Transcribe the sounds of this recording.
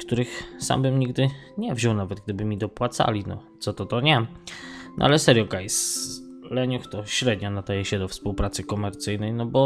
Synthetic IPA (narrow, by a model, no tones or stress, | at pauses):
kt̪uɾɘxsa̰mbɘmɲiɡd̪ɘ | ɲɛvʑɔwnavɛd̪̚ɡ̚d̪ɘbɘmʲid̪ɔpwat̪sa̰lʲinɔ̰t̪sɔt̪ɔt̪ɔɲɛ | nɔ̰ʔa̰lɛsɛɾʲjɔkajslɛɲuxt̪ɔɕɾɛd̪ɲɔnad̪ajɛɕɛd̪ɔfspuwpɾat̪sɘkɔmɛɾt̪sɘjnɛjnɔbɔ